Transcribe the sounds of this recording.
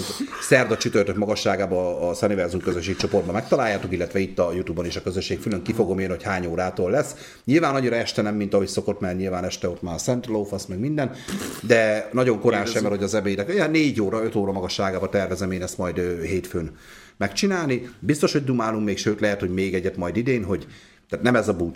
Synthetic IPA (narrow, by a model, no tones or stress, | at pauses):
sɛrd̪ɒt͡ʃyt̪ørt̪økmɒɡɒʃːaːɡaːbɒːsɛnivɛrzumkøzøʃːeːk̚t͡ʃo̞po̞rd̪bɒmɛk̚t̪ɒlaːjːaːt̪o̞kilːɛt̪vɛit̪ːɒjut̪uːbɒneːʃɒkøzøʃːeːkfyløŋkifo̞ɡo̞meːnho̞chaːɲoːɾaːt̪oːlːɛsː | ɲilvaːnɒɲiɾɒɛʃt̪ɛnɛmːint̪ɒɦocso̞ko̞t̪mɛrɲilvaːnɛʃt̪ɛo̞t̪maːsɛnt̪loːfɒsmɛɡmind̪ɛnd̪ɛnɒɟo̞ŋko̞ɾaːɛjmɛrho̞ɟɒzɛbeːjinɛkjneːɟoːɾɒøt̪oːɾɒmɒɡɒʃːaːɡaːbɒt̪ɛrvɛzɛmeːnɛst̪mɒjd̪øɦeːt̪føːn | mɛkt͡ʃinaːlnibist̪o̞ʃhoɟd̪umaːluŋkmeːkʃøːt̪lɛɦɛt̪hoɟmeːɡɛɟːɛt̪mɒjd̪id̪eːnɦo̞ɟ | t̪aːt̪nɛmɛzɒbu